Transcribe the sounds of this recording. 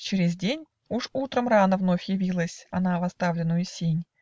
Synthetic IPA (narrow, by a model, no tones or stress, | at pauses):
t͡ɕɪɾʲɪzʲdʲenʲ | uʂut̪ɾəmranəvno̞fʲjɪvʲilˠəsʲɐnavɐst̪avlʲɪnːʊjʊsʲenʲ